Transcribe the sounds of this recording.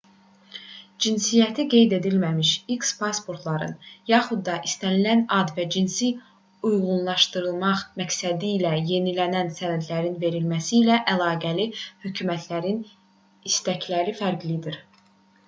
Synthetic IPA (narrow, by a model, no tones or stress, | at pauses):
d͡ʒinsijæt̪ʰiɡe̞jd̪e̞d̪ilmæmiʃikspʰɑspʰo̞ɾt̪ʰlˠɑɾɯ̰njɑχud̪ːɑʔist̪ænilænɑd̪væd͡ʒinsi | ujʁunlˠɑʃt̪ɯɾɯlˠmɑχmæksæd̪iːlæje̞nilænænsænæd̪læɾinve̞ɾilmæsiːlæʔælˠɑːɡælihøcʰymæt̪ʰlæɾin | ist̪æcʰlæɾifæɾɡlid̪iɾ